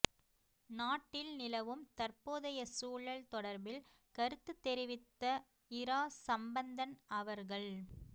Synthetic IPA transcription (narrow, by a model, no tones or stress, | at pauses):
naːʈːɪlnɪlɐʋɯmt̪ɐɾpoːðɐjɐsuːɭɐɭt̪ɔɽɐɾbɪl | kɐɾɯt̪ːɯt̪ːɛɾɪʋɪt̪ːɐ | ɪɾaːsɐmbɐnd̪ɐnɐʋɐɾɣɐɭ